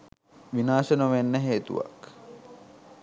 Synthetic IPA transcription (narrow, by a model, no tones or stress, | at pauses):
ʋinaːʃənoʋenːəɦeːt̪ṵʋa̰k